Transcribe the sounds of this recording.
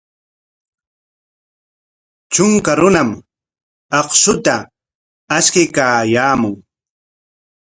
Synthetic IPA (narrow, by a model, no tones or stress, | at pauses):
t͡ʃʊŋkaɾʊnam | ɑχʃʊt̪a | askɪkaːjaːmʊŋ